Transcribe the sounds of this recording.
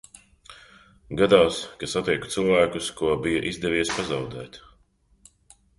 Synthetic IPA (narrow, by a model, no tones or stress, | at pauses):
ɡad̪aːskasat̪iɛkut̪silˠvæːkuskuɔbijaʔizd̪ɛvʲiɛspazawd̪ɛːt̪